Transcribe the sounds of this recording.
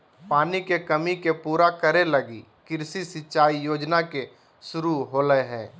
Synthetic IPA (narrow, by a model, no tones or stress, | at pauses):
paːnikekɐmikepuːɾakəɾelɐɡḭ | kɪɾsisɪʃaːijoːd͡ʒnake | ʃʊɾuɦoːləeɦɛ̃ː